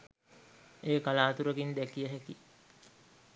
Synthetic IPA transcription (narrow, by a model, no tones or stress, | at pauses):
eːkalaːt̪uɾəɡind̪ækijəɦɛki